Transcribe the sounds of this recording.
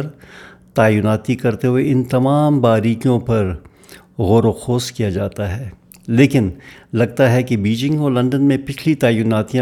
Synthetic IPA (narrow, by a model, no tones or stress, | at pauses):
ɾt̪aːjʊnaːt̪ikɐɾt̪eɦueɪnt̪ɐmaːmbaːɾiːkijõpɐɾ | ɣoːɾoxoːskijad͡ʒaːt̪aɦɛː | leːkɪnlɐɡ̚t̪aɦɛkebiːd͡ʒɪ̃ŋɡolɐ̃ɳɖənmẽpɪt͡ʃʰlit̪aːjʊnaːt̪ijã